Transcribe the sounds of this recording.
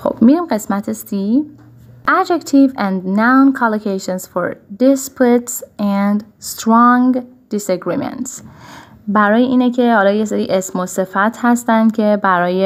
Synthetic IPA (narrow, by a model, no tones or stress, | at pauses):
xo̞̰b̥miɾimɢe̞smæt̪ʰesi | ʔæd͡ʒekt̪ʰivæ̃nd̪nawnkʰɑlokʰejʃensfo̰ɾd̪ispʰut̪sænd̪st̪ɾɒŋɡ | d̪̥iseɡɾimḛnt̪s | bæɾɒːjeʔiːnecʰe̞hɒːlɒːjeseɾiːʔesmose̞fæt̪ʰhæst̪ænd̪̥cʰe̞bæɾɒːje